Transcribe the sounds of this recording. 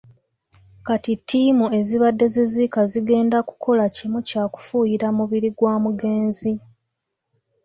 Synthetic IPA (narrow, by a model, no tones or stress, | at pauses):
katitʰːiːmue̞ziβadːe̞zezikaziɡe̞ːndaku̥kʰo̞lacimucaːku̥fuːjiɾamuβiɾiɡwaːmuɡe̞ːnzi